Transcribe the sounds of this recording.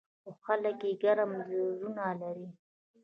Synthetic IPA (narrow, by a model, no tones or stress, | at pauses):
oxaləkjeɡaɾamzozunalaɾi